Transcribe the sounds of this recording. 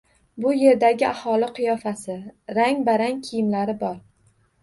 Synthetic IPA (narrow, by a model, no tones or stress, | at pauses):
bʊje̞ɾd̪aɡʲɪahɒlɪqʰɨjɒfasɪɾaŋbaɾaŋkʲʰijɪmlaɾɪbɒɾ